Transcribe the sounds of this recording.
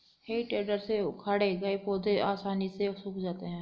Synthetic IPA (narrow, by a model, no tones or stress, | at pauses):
heːiʈeːɖəɾsekʰaːɽeɡɐipoːd̪eaːsaːnisesʊkd͡ʒaːt̪eɦɛ̃ː